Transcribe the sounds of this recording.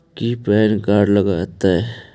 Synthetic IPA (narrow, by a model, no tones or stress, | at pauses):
kiːpɛːnkaːɾɖləɡat̪ae